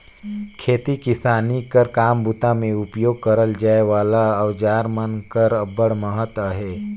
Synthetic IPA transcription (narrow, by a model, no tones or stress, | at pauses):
kʰeːt̪ikɪsaːnikəɾkaːmbut̪ãmẽʊpjoːɡ̚kəɾəld͡ʒaːeʋaːlaɔːd͡ʒaːɾmənkəɾəbəɽməɦət̪aɦeː